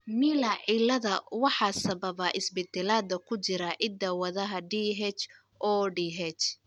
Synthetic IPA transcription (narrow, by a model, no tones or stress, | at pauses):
miːlaʕilɐðɐwɑħɑːsɐβɐβɐʔɪsbɛd̪ɛlaːd̪ɐkʰʊt͡ʃɪɾɐʕɪd̪ɐwɐðɐɦɐɖiɦɛt͡ʃ | ʔɔːɖiɦɛt͡ʃ